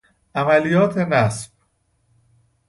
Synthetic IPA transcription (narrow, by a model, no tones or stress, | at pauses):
ʔæmælijɒːt̪ʰenæsb̥